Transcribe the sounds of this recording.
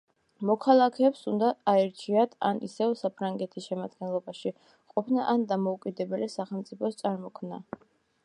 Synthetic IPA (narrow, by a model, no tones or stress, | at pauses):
mɔkʰalˠakʰɛːpsund̪aaɛɾt͡ʃʰiat̪ʰa̰nḭsɛvsapʰɾaŋɡɛt̪ʰisʃɛmad̪ɡɛnlˠɔbaʃi | qʼɔpʰnaʔand̪amɔukʼid̪ɛbɛlisaχɛlˠmt̪sʼipʰɔst̪sʼaɾmɔkʰmna̰